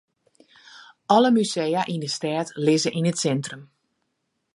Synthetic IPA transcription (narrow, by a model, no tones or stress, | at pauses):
ɔləmysejaʔindəstɛːtlɪzəʔinətsɛntrəm